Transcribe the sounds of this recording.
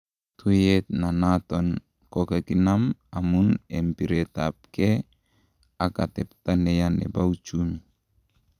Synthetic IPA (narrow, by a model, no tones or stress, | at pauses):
tujet̪̚nanaton | kokakinamamunempiɾetap̚ke | akatɛp̚tanejanḛbawt͡ʃumi